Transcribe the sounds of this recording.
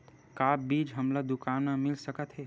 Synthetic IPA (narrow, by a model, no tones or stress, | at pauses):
kaːbiːd͡ʒɦəmlad̪ʊkaːnmamɪlsəkət̪ɦɛː